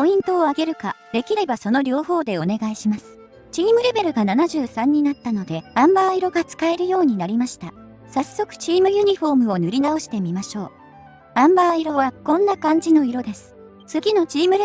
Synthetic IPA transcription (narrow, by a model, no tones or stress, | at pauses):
po̞ĩnt̪oːaɡe̞ɾɯ̟kad̪̥e̞kʲiɾe̞baso̞no̞ɾʲo̞ːɦo̞ːd̪e̞o̞ne̞ɡaiɕimasɨ̥ | t͡ɕiːmɯ̟ɾe̞be̞ɾɯ̟ɡananaʑɨːsãɲ̟ːinat̪ːano̞d̪e̞ãmbaːiɾo̞ɡat͡sɨ̥kae̞ɾɯ̟jo̞ːɲ̟inaɾʲimaɕi̥t̪a | sasːo̞kɯ̟̥t͡ɕiːmɯ̟jɯ̟ɲ̟iɸo̞ːmɯ̟o̞nɯ̟ɾʲinao̞ɕi̥t̪e̞mʲimaɕo̞ː | ãmbaːiɾo̞βakõ̞nːakãɲ̟d͡ʑino̞iɾo̞d̪e̞sɨ̥ | t͡sɨɡʲino̞t͡ɕiːmɯ̟ɾe